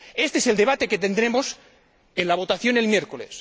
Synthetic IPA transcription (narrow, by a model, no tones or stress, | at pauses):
e̞st̪eese̞ld̪e̞βat̪e̞ke̞t̪e̞nd̪ɾemos | enlaβ̞o̞t̪aθjo̞ne̞lmjeɾko̞les